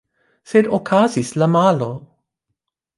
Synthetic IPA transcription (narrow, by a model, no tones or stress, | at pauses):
sedokʰazislamalo